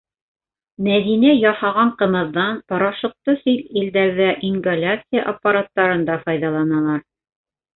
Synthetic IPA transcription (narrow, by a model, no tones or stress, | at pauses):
mæðinæjɑhɑʁɑɴqɤ̆mɤ̆ðːɑnpɑ̆ɾɑʃɤ̆q̚t̪ɤsɵlild̪æɾðæʔiŋɡalʲat̪sɪjaʔapːaɾat̪ːɑɾɤ̆nd̪ɑfɑjðɑlˠɑnɑlˠɑɾ